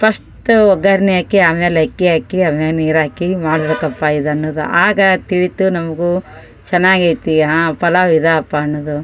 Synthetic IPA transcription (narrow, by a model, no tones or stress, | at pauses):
pʰɐsʈuɔɡɐɾnijaːkiaːmjeːlekːiaːkiamjaniːɾaːkimaːɽɐbeːkɐpːaid̪ɐnːoːd̪ṵʔaːɡɐt̪iɭit̪unɐmɐɡu | t͡ʃɛnːaːɡɐjt̪iɦapɐlaʋid̪aːpːaːnːoːd̪u